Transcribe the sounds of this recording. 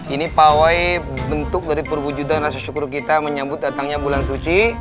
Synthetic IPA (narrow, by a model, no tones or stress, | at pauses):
inipawajbənt̪ʊk̚daɾipərwud͡ʒudanrasaʃukuɾukit̪aməɲambʊt̪̚dat̪aŋɲabulansut͡ʃi